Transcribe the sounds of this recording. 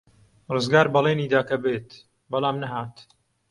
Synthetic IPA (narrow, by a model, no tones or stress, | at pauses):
rɨzɡaːɾbɐleːniːd̪aːkɐbeːt̪ | bɐlaːmnɐɦaːt̪